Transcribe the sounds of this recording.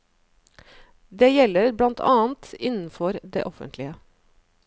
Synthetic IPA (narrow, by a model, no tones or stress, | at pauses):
d̪eːjɛlːəɾblɑnt̪ʰɑːnt̪ɪnn̩fɔɾd̪ḛːʔɔfə̰nt̪ʰlɪə